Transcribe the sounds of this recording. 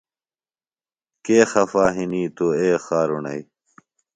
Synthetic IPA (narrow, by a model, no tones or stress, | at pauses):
keːxɐfaːɦiniːt̪oeːxaːɾunɐ̰i